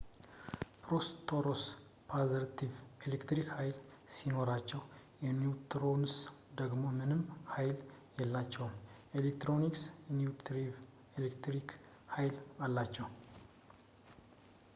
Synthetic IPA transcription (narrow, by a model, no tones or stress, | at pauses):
pɾost̪ʰoɾos | pʰaziɾt̪ʰivelekt̪ɾikhajl | sino̞ɾat͡ʃːɛw | jɛniut̪ʰɾo̞nsd̪əɡmo̞mɨnɨmhajljɛlːat͡ʃːɛwmelek̚t̪ɾo̞niksnjut̪ʰɾiv | elekt̪ɾik | hajlalːat͡ʃːɛw